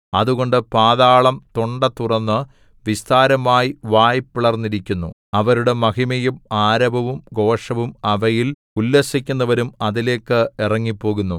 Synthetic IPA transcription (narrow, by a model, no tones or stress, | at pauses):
ɐ̰ðuɣo̞ɳɖɨpaːðaːɭɐmt̪oɳɖɐt̪ːurɐnːɨ | ʋist̪aːɾɐmaːjiʋaːjpːiɭɐrnːiɾikʲːunːṵ | ɐʋɐɾuɽe̞mɐɣimɐjumaːɾɐbʱɐʋumɡo̞ːʂɐʋumɐʋɐjil | ulːɐsikʲːunːɐʋɐɾumɐðile̞ːkːɨirɐŋːipːo̞ːɣunːu